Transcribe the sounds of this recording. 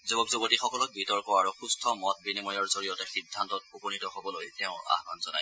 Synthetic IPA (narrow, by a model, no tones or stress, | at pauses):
zobɔbzobotixɔkɔlɔk̚bitɔɹkɔaɹuxustʰɔmɔt̚binimɔjɔɹzoɹijɔtɛxidʱːantɔt̚pukonitɔɦobɔlojtɛʊ̃a̰xbanzɔna̰j